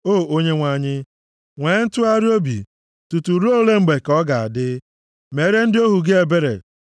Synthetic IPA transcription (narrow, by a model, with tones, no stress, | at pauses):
oː˦˨o˦ɲe˦ŋʷa˦˨ɲɪ˦ | ŋʷe˨ɲɪ˦n̩˦tʊ˦a˦ɾɪ˦o˦bḭ˨ | tu˨tu˨ɾu˦o˦le˦ŋ͡m̩˨ɡ͡be˨kɔ˦ɡa˨a̰˨dɪ˦ | me˨˦ɾe˦n̩˦dɪ˦o˦ɦu˨ɡe˦e˨be˦ɾḛ˨